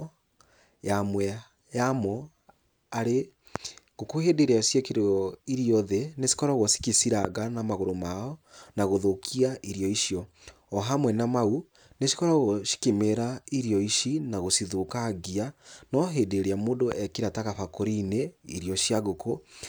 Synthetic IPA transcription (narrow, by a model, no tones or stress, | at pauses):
jamwɛ | jamɔ | aɾe | ɣ̥okohedeɾeaʃjakiɾɔiɾijɔðenesi̥kɔɾaɣosi̥kisiɾaɣanamaɣoɾomaɔnaɣoðokʰiaʔiɾjɔiʃjɔː | ɦamwɛnamau | neʃi̥kɔɾaɣoʃi̥kemeɾaiɾjɔiʃinaɣosiðokaɣianɔɦedeɾeamodoʔɛkiɾataɣafakoɾineiɾiɔʃjaɣoko